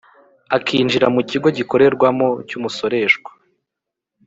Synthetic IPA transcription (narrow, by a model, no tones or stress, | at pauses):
akʰiːnd͡ʒiɾamuciɡo̞ɟiko̞ɾe̞ɾɡwamo̞cumuso̞ɾe̞ʃɡwḁ